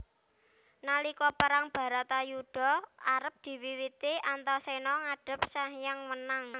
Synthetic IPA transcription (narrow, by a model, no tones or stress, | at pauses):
nalikɔpəɾaŋb̥a̤ɾat̪ajuɖ̥ɔ̤aɾəp̚d̪̥i̤wiwit̪iant̪ɔsenɔŋaɖ̥ə̤p̚sahjaŋwənaŋ